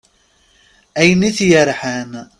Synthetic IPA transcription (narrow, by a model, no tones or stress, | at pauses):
ʔæjniθjaɾħæn